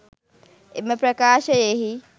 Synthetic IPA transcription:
emepɾɐkaːʃɐjeɦi

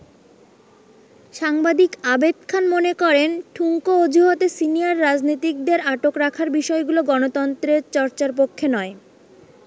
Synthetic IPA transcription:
ʃaŋbad̪ikabed̪̚kʰanmonekɔɾenʈʰuŋkood͡ʑʱuɦot̪esinijaɾːad͡ʑnojt̪ik̚d̪eɾaʈokɾakʰaɾbiʃɔeɡuloɡɔnot̪ɔnt̪ɾeɾt͡ɕɔɾt͡ɕaɾp̬okʰːenɔe

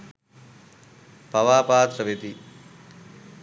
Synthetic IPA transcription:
pɐʋaːpaːt̪ɾəʋet̪i

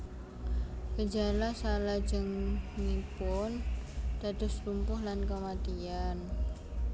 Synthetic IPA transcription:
kəd͡ʒalasalḁd͡ʒəŋnipʊnd̪̥a̤d̪ʊst̪umpʊhlankəmat̪ian

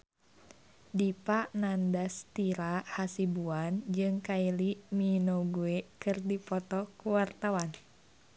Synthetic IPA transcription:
dipaʔnandast̪iɾahasibuand͡ʒɨŋkailiminoɡuekɨrdipɔt̪ɔkuwart̪awan

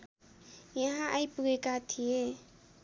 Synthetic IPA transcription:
jaɦãʔajpuɡekat̪ʰije

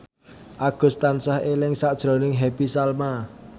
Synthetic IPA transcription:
ʔaɡ̥ʊ̤st̪ansahelɪŋsad̥ʒ̥ɾo̤nɪŋɦɛpisalma

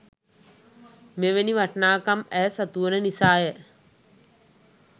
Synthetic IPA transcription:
meʋeniʋɐʈɳaːkɐmɛsɐt̪uːɐnɐnisaːjɐ

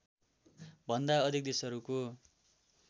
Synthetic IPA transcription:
bʱʌnd̪aʌd̪ʱik̚d̪esʌɾuko

